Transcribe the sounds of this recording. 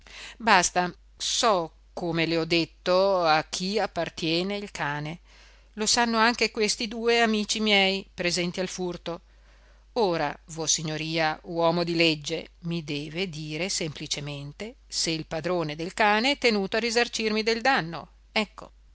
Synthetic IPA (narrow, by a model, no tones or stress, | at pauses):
bast̪a | sɔ | kːomeleɔd̪ːet̪ːoak̟ːiapːart̪jɛːneilkʰaːne | losanːoaŋk̟ekwest̪id̪uːeamiːt͡ʃimjɛjpɾezɛnt̪ialfurt̪o | oːɾa̰vosiɲːoɾiːawɔːmod̪iled͡ʒːemid̪ɛːved̪iːɾesemplit͡ʃement̪e | seilpad̪ɾoːned̪elkaːneɛt̪ːenuːt̪oarizart͡ʃirmid̪eld̪anːo̰ | ɛkːo̰